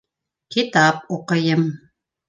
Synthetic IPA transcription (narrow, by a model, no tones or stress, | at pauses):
kit̪ap̚uqɤ̆jɤm